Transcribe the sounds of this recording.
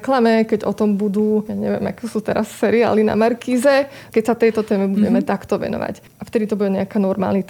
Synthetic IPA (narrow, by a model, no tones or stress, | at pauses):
klamɛkɛɟɔt̪ɔmbud̪uːjaɲɛ̰ʋjɛ̰ma̰kɛsuːt̪ɛɾassɛɾia̰ːlina̰maɾkiːzɛ | kɛcsat̪ɛjt̪ɔt̪ɛːmɛbuɟɛmɛt̪akt̪ɔʋɛ̰nɔ̰ʋa̰c | aft̪ɛd̪it̪ɔbuɟɛɲɛakaːnɔɾma̰ːlnit̪